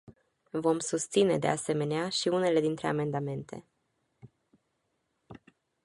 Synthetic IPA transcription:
vo̞msust̪sine̞d̪e̞̰ase̞me̞neaʃiune̞le̞d̪int̪ɾe̞̰a̰me̞nd̪ame̞nt̪e̞̰

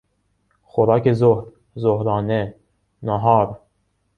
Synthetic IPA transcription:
xoɾɑːkʰezohɾ | zohɾɑːne | nɑɦɑːɾ

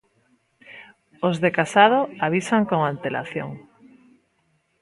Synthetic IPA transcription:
ozðekasaðoaβ̞isaŋkoŋant̪elʔa̰θjo̰ŋ

